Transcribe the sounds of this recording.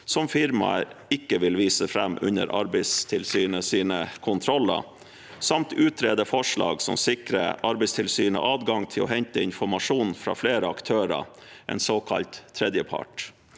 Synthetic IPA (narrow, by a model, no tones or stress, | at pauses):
sɔmfɪɾmɑ̰ɪkːəʋɪlʋiːsəfɾɛmːʉ̰nə̰ɾʔɑ̰ɾbəɪst̪ʰɪlsyːnəsiːnəkʰʊnt̪ʰɾɔlːɑ̰ | sɑmt̪ʉːt̪ʰɾeːd̪əfɔʂɭɑ̰ːɡsɔ̰msɪkɾə̰ɑɾbæɪst̪ʰɪlsyːnə̰ʔɑːd̪ɡɑŋt̪ʰɪlɔ̰ɦɛɲt̪əɪnfɔɾmɑʂuːnfɾɑ̰ːfleːɾəɑkt̪ʰøːɾɑ̰ | ʔɛ̰nsoːkʰɑ̰lt̪ʰːɾɛːd̪jəpʰɑ̰ʈ